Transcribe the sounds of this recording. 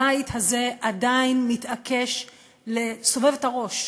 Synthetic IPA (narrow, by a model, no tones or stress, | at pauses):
ajt̪haze̞ʔadainmitʔakʰe̞ʃ | le̞so̞ve̞vetaʁo̞ʃ